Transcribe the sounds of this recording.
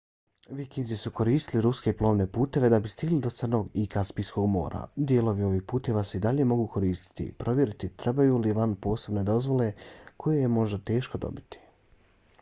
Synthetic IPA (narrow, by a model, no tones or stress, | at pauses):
ʋikind̪zisuko̞ɾiːst̪iliɾuske̞plˠo̞ːmne̞puːt̪e̞ʋe̞d̪abist̪iɡlid̪o̞t̪sərno̞ːɡikaspisko̞ɡmo̞̰ːɾʔa̰d̪je̞lo̞ʋio̞ʋiːhpuːt̪e̞ʋaːse̞id̪aʎe̞mo̞ɡuːkʰo̞ɾiːst̪i̥t̪ḭpɾo̞ʋjeɾit̪it̪ɾʔe̞bajuliʋanpo̞ːse̞bne̞d̪o̞zʋo̞le̞kʰo̞jejemo̞ʒd̪at̪e̞ːʃkod̪o̰bit̪i̥